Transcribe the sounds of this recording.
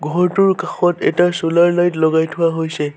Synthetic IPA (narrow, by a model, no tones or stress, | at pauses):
ɡʱɔɹtuɹkaxɔtɛ̰tasulaɹlajtlɔɡajtʰʊwaɦojsɛ